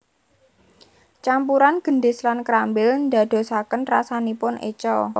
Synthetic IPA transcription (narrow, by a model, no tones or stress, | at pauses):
t͡ʃampuɾanɡ̥ə̤ɳɖɪ̤slankɾambɪlnd̪a̤d̪̥o̤sakənrasanipʊnʔḛt͡ʃɔ